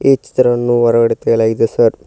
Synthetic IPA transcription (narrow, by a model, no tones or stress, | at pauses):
eːt͡ʃːi̥t̪ɐɾɐʋɐnːuʋɐɾɐɡɐɽit̪eɡɐɭaːɡid̪esɐɾ